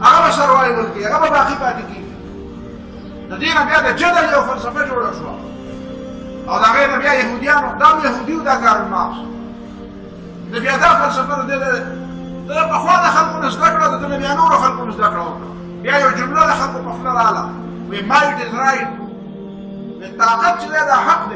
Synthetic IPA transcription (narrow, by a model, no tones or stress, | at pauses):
aɣabasaɾwajwəɾkeaɣababaːqibɑːt̪ekeɡi | d̪əd̪enabjad̪əd͡ʒad̪aljawfalsafad͡ʒoɽaʃwa̰ | awd̪əaɣenabjajaɦud̪ijɑːnod̪aːmjaɦud̪iwud̪aːkaːɾma̰ːs | d̪əbjaːd̪aːfalsafad̪əd̪ed̪ | d̪əd̪əpɐxwaːd̪əxalkonazd̪akɽad̪əd̪əbabjanoːɾoxalkonazd̪akɽawak | bjaːjawd͡ʒʊmuɾad̪əxalkopɐflaɾaːla̰ | wemaːɪʈɪsɾaːil | d̪et̪aːqat̪̚t͡ʃed̪ad̪aɦaqd̪e